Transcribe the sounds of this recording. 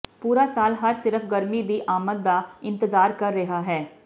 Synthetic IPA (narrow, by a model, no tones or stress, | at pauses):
puːɾaːsaːlɦəɾsɪɾəfʰɡəɾmiːd̪iːʔaːmət̪̚d̪aːɪ̃nt̪əzaːɾkəɾːɪɦaːɦɛː